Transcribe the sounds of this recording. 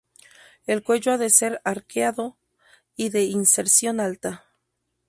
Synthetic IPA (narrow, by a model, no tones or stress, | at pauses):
e̞lkwe̞ʝoaðe̞se̞ɾaɾkeaðo̞ | iðe̞inseɾsjo̞nalt̪a